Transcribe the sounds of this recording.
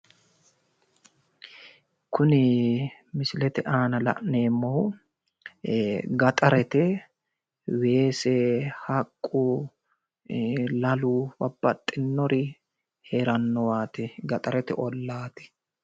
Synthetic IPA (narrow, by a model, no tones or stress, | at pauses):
kʰʊnɪ | mɪsɪlɛt̪ɛʔaːnɐlɐ̰ʔneːmːɔw | ɡɐt̪ʼɐɾɛt̪ɛ | we̞ːsɛhɐkʼːʊ | lɐlʊbɐbːɐt̪ʼːɪnːɔɾɪ | heːɾɐnːɔwaːt̪ɪɡɐt̪ʼɐɾɛt̪ɛ̰ʔɔlːaːt̪ɪ̥